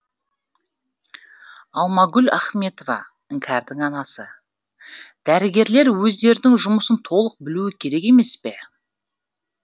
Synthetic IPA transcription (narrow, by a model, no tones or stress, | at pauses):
ɑlˠmɑɡʲʏlæχme̞t̪o̞vɑ̰ | ɪŋkʲʰɑɾd̪ɪŋɑnɑsə | d̪̥æɾɪɡʲe̞ɾle̞ɾwɵzd̪e̞ɾd̪ɪŋʒʊməsənt̪ʰo̞lˠəq̚bɪluɪkʲʰe̞ɾe̞ke̞me̞spe̞